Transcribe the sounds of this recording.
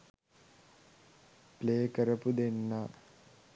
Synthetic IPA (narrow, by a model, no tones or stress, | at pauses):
pleːkəɾəpud̪enːa